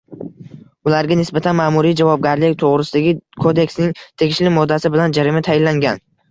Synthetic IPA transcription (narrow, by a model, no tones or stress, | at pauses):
ʊlaɾɡʲanɪsbat̪ʰanmaːmuɾijd͡ʒavɒb̚ɡʲaɾlɪkʲt̪ʰoʁɾɪsɪd̪aɡʲɪkʰod̪e̞ksnɪŋt̪ʰe̞ɡʲɪʃlɪmɒd̪ːasɪbɪland͡ʒaɾɪmɪt̪ʰajɪlːaŋɡʲan